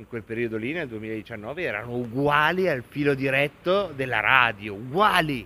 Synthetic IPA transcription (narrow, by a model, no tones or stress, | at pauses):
iŋkwelpeɾiːod̪olineld̪uemiːlaed̪it͡ʃanːɔːveɛːɾa̰nouɡwaːlialfiːlod̪iɾɛt̪ːod̪elːa̰ɾaːd̪jouɡwaːli